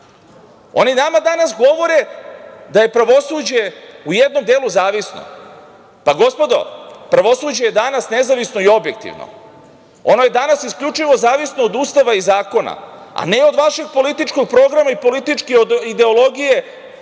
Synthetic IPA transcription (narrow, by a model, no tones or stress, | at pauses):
o̞ninamad̪anasɡo̞ʋo̞ɾe̞d̪aje̞pɾaʋo̞suːd͡ʑe̞ujed̪no̞md̪eːluzaːʋisno̰ | paɡo̞spo̞d̪o̞̰pɾaʋo̞suːd͡ʑe̞jed̪anasne̞zaʋisno̞io̞bje̞k̚t̪ḭʋno̰ | o̞no̞je̞d̪anasiskʎʲut͡ʂiʋo̞zaːʋisnood̪uːst̪aʋaizaːko̞na̰a̰neo̞d̪ʋaʃe̞ɡ̚po̞lit̪it͡ʃko̞ɡ̚pɾo̞ɡɾamaipo̞lit̪it͡ʂkeod̪id̪e̞o̞lˠo̞ɡije̞